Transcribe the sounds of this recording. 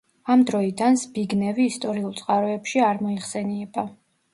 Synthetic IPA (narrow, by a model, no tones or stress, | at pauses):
amd̪ɾɔid̪ansbiɡnɛviːst̪ʼɔɾiulˠt̪sʼqʼaɾɔɛpʃiaɾmɔiχsɛniɛba